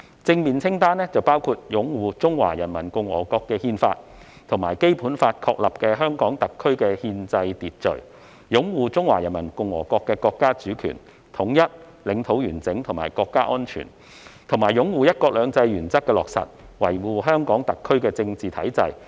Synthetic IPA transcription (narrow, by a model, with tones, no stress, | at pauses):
t͡sɪ˧ŋmiː˨˩nt͡sʰɪ˥ŋt̪aː˥nɛː˥t͡sɐ˨˩wpaː˥wkʰu˧t̚jʊ˨˥ŋwuː˨t͡sʊ˥ŋwa̰ː˨˩jɐ˨˩nmɐ˨˩nkʊ˨ŋwɔ̰ː˨˩kɔː˧kːɛː˧hiː˧nfa̰ː˧t̚ | t̪ʰʊ˨˩ŋmaː˨˩jke˥jpuː˨˥nfaː˧t̚kʰɔː˧k̚lɐ˨p̚kɛː˧ɦœː˥ŋkɔː˨˥ŋt̪ɐ˨kʰːɵ˥ɥkɛː˧hiː˧nt͡sɐ˧jt̪iː˨t̚t͡ʃɵ̰˨˩ɥ | jʊ˨˥ŋwuː˨˧t͡sʊ˥ŋwa̰ː˨˩jɐ˨˩nmɐ˨˩nkʊ˨ŋwɔ̰ː˨˩kɔː˧kːɛː˧kɔː˧kːaː˥t͡ʃyː˨˥kʰy̰˨˩n | t̪ʰʊ˨˩ŋjɐ˥t̚ | lɪ˨˥ŋt̪ʰo˨˥wjyː˨˩nt͡sɪ˨˥ŋt̪ʰʊ˨˩maː˨˩jkɔː˧kːaː˥ʔɔː˥nt͡ʃʰy̰ː˨˩n | t̪ʰʊ˨˩ŋmaː˨˩jjʊ˨˥ŋwuː˨˧jɐ˥t̚kɔː˧k̚lœː˨˧ŋt͡sɐ˧jjyː˨˩nt͡sɐ˥k̚kːɛː˧lɔː˨k̚sɐ̰˨t̚ | wɐ˨˩jwuː˨ɦœː˥ŋkɔː˨˥ŋt̪ɐ˨kʰːɵ˥ɥkɛː˧t͡sɪ˧ŋt͡siː˨t̪ʰɐ˨˥jt͡sɐ˧j